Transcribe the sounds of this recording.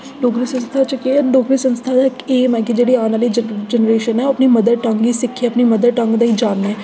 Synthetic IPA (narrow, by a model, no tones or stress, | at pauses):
ɖoːkɾisənst̪ʰaːt͡ʃəkeɖoːkɾiːsənst̪ʰaːd̪aɪkeːmɛ̃ːkid͡ʒeːɽiaːnaːlid͡ʒd͡ʒɛnəɾeːʃənɦɛoɐpnimɐd̪əɾʈəŋɡiːsɪkʰːiɐpnimɐd̪əɾʈə̃ŋɡd̪aːiːd͡ʒaːnːɛː